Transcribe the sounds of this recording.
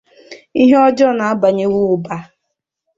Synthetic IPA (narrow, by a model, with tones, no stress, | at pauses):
i˦ɦe˦ɔ˦d͡ʒɔ˦na˨a˦ba˨ɲe˦wʊ˦ʊ˨ba˨˦